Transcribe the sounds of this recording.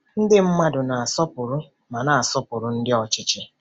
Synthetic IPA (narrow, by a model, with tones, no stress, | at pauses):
n̩˦dɪ˦m̩˦ma˦dʊ˨na˨a˨sɔ˦pʊ˨ɾʊ˦ | ma˨na˨a˨sɔ˦pʊ˨ɾʊ˦n̩˦dɪ˦ɔ˨t͡ʃɪ˦t͡ʃɪ˦